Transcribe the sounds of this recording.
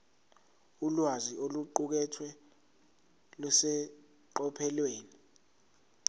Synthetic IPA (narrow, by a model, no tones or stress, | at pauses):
ulwaziʔoluǃuk̬ɛtʰwɛ | lusɛ | ǃɔpʰɛlweːni